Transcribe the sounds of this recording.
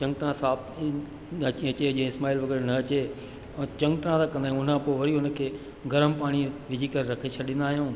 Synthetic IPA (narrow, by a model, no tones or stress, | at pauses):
t͡ɕɐ̃ŋɡt̪ɾãsaːb | t͡ɕɐt͡ɕed͡ʑẽɪsmaːilʋɐɡəɾnɐɐt͡ɕẽ | t͡ɕɐ̃ŋɡt̪ɐɾãt̪ʰakɐ̃nd̪aːijũʊnãpoːʋɐɾiʊnəkʰeː | ɡʱɐɾəmpaːɽ̃iʋɪd͡ʑʱikɐɾɾɐkʰet͡ɕʰɐɗɪ̃nd̪aːɦijũː